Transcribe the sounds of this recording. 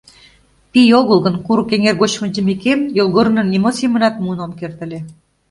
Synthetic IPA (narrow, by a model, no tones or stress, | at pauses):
pijoɣəlˠɣə̆nkuɾukeŋerɣot͡ɕmə̆nd͡ʑə̆mekemjolˠɣoɾə̆nə̆nemot͡simənɑt̪munomkert̪ə̆le